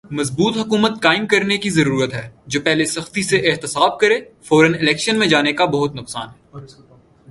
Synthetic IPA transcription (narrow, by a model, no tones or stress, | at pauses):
mɐzbuːt̪ɦɐkuːmət̪kaːɪmkɐɾnekizɐɾuːɾət̪ɦɛːd͡ʒoːpɛɦlesɐxt̪iseʔɦt̪ɪsaːb̚kɐɾeːfɔːɾənɪlɛːkʃənmẽd͡ʒaːnekabɐɦʊt̪nʊqsaːnɦɛː